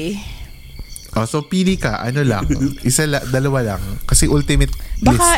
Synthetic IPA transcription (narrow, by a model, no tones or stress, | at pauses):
ʔosopiːlɪkɐʔɐ̰nolɐ̰ŋʔɪsalad̪ɐlɐwalɐ̰ŋkɐsɛʔʊlt̪ɪmɛt̪̚baɛkasa